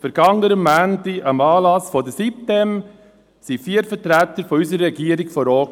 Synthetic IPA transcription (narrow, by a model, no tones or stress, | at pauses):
fəɾɡ̥ɑŋːəɾəmːæːntiʔɑmɑːlɑsfɔdəsip̚t̪ɛm | sifiəɾfəɾtɾæt̪əɾfɔysəɾːɛɡiəɾɪɡfɔɾɔːt